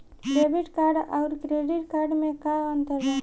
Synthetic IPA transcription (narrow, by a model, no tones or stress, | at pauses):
ɾeːbɪʈkaːɾɖa̰ʊɾkɾeːɖɪʈkaːɾɖmẽkaə̃nt̪əɾda